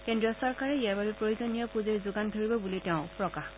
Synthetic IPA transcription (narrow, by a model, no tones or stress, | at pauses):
kendɹijɔsɔɹkaɹɛijaɹbabɛpɹojuzonijɔpuzeɹzʊɡandʱoɹibɔbulitɛʊ̃pɹɔkax